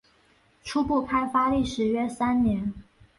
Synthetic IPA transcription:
ʈ͡ʂʰu˥pu˥˩pʰa˥ɪfa˥li˥˩ʂɻ̩˧˥ɥɛ˥sa˥nnjɛ˧˥n

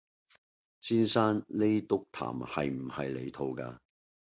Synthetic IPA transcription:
t͡siː˥nsaː˥nle˥jt̪ʊ˥k̚t̪ʰa̰ː˨˩mhɐ̰˨jm̩˨˩hɐ˨jlḛ˨˧jt̪ʰo˧wka̰ː˧

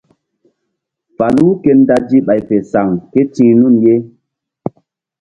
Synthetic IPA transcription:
fa˨lu˦ke˧n˦da˧d͡ʒi˦ɓa˨jpe˨sa˨ŋke˦t͡ʃĩ˧˦nu˦˨nje˦

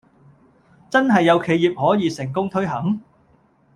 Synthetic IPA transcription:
t͡sɐ˥nɦɐ˨jːɐ˨˧wkʰe˨˧jiː˨p̚hɔː˨˥jiː˨˧sɪ˨˩ŋkʊ˥ŋt̪ʰɵ˥ɥɦɐ˨˥ŋ

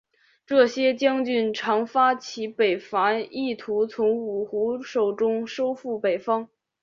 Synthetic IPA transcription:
ʈ͡ʂɤ˥˩ɕjɛ˥t͡ɕjɑ˥ŋt͡ɕy˥˩nʈ͡ʂʰɑ˧˥ŋfa˥t͡ɕʰi˧˥pe˨˩ɪfa˧˥i˥˩t̪ʰu˧˥t͡sʰʊ˧˥ŋu˨˩xu˧˥ʂo˨˩ʊʈ͡ʂʊ˥ŋʂo˥ʊfu˥˩pe˨˩ɪfɑ˥ŋ

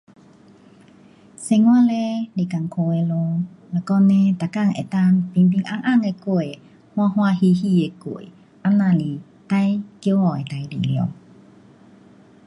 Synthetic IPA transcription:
se˧˨ŋwa˥˨le˧˦li˨˩ka˨ŋkʰo˧e˧lo˧ | la˨˩kɔ˧nẽ˧˦t̪a˨ka˧˨ŋʔḛ˨t̪a˧˨ŋpi˧˨ŋpi˧ŋʔa˧ŋʔa˥˨ŋe˧ko˨ | hw̃a˧ɦwa˧hi˧hi˧˨e˧ko̰˧˩˨ | ʔa˧˥mna˧˨li˨ | t̪a˧jkjwɔ˨˩˨e˨t̪a˧jlḭ˨ljo̰˧˨

